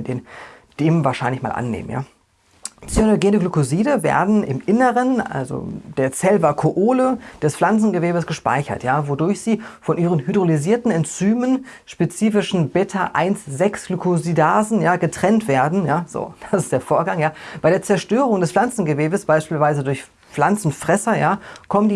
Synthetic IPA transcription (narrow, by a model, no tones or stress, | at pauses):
deːn | d̥eːmənvaːɐʃaɪnlɪçma̰ːlʔa̰nːḛːmənja̰ː | t͡snoɡeːndəɡlukoziːdəvḛːɐdn̩ɪmʔɪnəʁəna̰lzo̰d̥eːɐt͡sɛlvakʰoʔoːləd̥ɛsflant͡sn̩ɡəveːbəsɡ̥əʃpa̰ɪçɐ̰tjaːvodʊɐçz̥iːfɔnʔiːʁənɦydʁoliziːɐtn̩ɛnt͡syːmənʃpet͡siːfɪʃn̩bɛtʰɐʔa̰ɪnsz̥ɛksɡ̥lykozidaːzn̩jaːɡətʁ̥ɛntv̥eːɐdn̩jaːz̥o̰ːd̥asɪstd̥eːɐfoːɐɡaŋjaːb̥aɪɾeːɐt͡sɛɐʃtøːʁ̞ʊŋdɛsflant͡sn̩ɡəveːbəsb̥aɪʃpiːlvaɪzədʊɐç | p͡flant͡sn̩fʁ̥ɛsɐjaːkʰɔməndiː